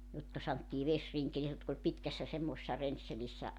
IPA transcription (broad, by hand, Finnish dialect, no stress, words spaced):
jotkɑ sɑntːiː ʋesriŋkeli jotk olʲ pitkæsːæ semːoĕsesːɑ renselisːæ